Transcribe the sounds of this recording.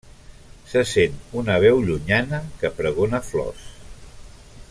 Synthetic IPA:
səsenunəβ̞ɛwʎuɲanəkəpɾəɣonəflɔ̰s

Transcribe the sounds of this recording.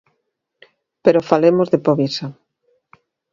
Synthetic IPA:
peɾofalemozðepoβisa

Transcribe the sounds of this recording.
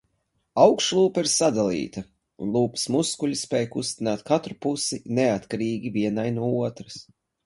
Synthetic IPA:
awkʃlˠuːpɐiɾsad̪alˠḭːt̪ɐ | ṵnlˠuːpi̥smuskuʎʲispɛːjkust̪inaːt̪kat̪ɾupusineat̪kaɾiːɡʲiviɛnajnuɔuɔt̪ɾɐs

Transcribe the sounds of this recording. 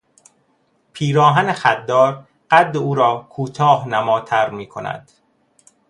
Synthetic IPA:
pʰiːɾɒːɦænexæd̪ːɒːɾ | ɢ̥æd̪ːeuːɾɒːkʰuːt̪ʰɒːhnæmɒːt̪ʰæɾmiːkʰonæ̰d̪̥

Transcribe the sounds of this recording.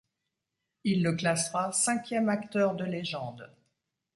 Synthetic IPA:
ilːəklasʁasɛ̃kʲjɛmakt̪œʁd̪əleʒɑ̃d̪

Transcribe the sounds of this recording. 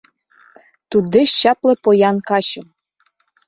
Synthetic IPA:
t̪ud̪eʃɕɑplɤ̆pojɑnkɑɕɤ̆m

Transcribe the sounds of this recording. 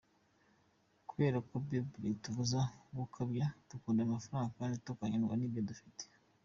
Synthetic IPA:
kuβe̞ːɾakobjobɾituvuzaɡukʰabjatukuːndamafaɾaːŋɡakaːnditokwaɲanɡwa̰nibjodufite̥

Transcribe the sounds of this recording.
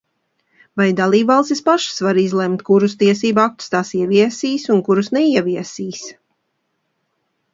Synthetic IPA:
vajd̪alˠiːbvalˠst̪ʲispaʃsvaɾizlˠɛmt̪kuɾust̪iɛs̬iːbuak̚t̪u̥st̪aːsiɛviɛsiːsunkuɾusnɛiɛviɛsiːs

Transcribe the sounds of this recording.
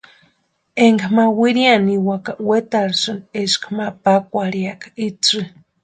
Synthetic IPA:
eŋɡmawiɾianiwakawet̪aɾsɨneʃkmapakʷaɾiakait͡sɨ

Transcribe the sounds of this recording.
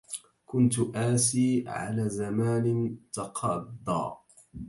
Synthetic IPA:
kʊnt̪ʔaːsiːʕa̰laːzamaːnɪt̪ɑqʰɑd̪ˤːɑ̰ː

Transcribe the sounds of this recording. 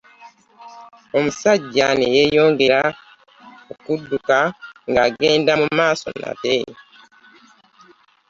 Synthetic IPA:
ɔm̩saɟanijejɔŋɡeɾa | okudːukaŋɡaɡɛ̃ndamumasɔ̰nːa̰te

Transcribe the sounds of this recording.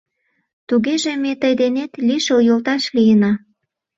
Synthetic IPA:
t̪uɣeʒemet̪əjd̪enet̪liʃeujolt̪ɑʃlijənɑ

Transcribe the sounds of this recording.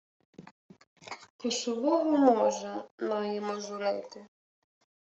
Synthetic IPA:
kɔʃɔʋɔɦɔmɔʒɐmɑjemɔʒʊɾɪt̪ɪ

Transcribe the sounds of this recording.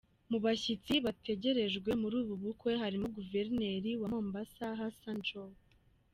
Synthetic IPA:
muβaçit͡siβatʰe̞ɟe̞ɾe̞ʒɡwe̞muɾuːβuβukwe̞ɦaɾimuɡuve̞ɾne̞ɾiwamoːmbasaɦasand͡ʒo

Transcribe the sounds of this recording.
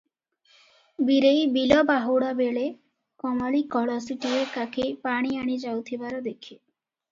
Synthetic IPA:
biɾejbilɔbaɦuɽabeɭe | kɔmaɭikɔɭɔsiʈiɾekakʰepaɽ̃iaɽ̃id͡ʒawt̪ʰibaɾɔd̪ekʰi

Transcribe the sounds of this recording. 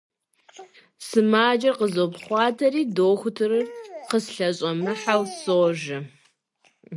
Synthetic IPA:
sɨmaːd͡ʒɐqəzowpχʷɑːtʰɐriːdoːxʷʊtʰɨrɨrqəsɬɐɕʼɐmɨħawsoʒɐ

